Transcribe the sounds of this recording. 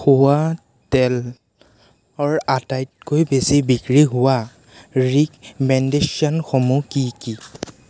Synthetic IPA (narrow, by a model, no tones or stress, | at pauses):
xʊwa | tɛl | ɔɹatajt̚kojbesibikɹiɦʊwa | ɹikmɛndeʃjɔnxomukiki